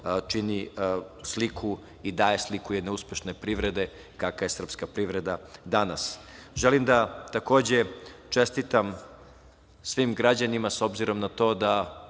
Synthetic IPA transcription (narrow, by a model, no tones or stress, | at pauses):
t͡ʂinislikʰu | id̪aːjeslikujed̪neuspe̞ʃnepɾiʋɾe̞d̪e̞ | kakaje̞sr̩pskapɾiʋɾed̪ad̪anasʒelimd̪at̪ako̞ːd͡ʑe̞t͡ʂest̪it̪am | sʋimɡɾad͡ʑanimaso̞bziɾo̞mnat̪o̞ːd̪a